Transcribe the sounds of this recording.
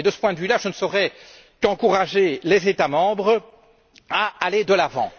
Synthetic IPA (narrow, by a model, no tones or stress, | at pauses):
ed̪əsə̥pwɛ̃d̪əvylaʒənəsɔʁɛ | kɑ̃kuʁaʒelɛzet̪amɑ̃bʁə | aaled̪əlavɑ̰̃